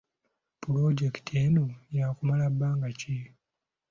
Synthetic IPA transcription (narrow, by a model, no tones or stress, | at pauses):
puloɟeki̥tʰeːnojaːkumalabːaːŋɡace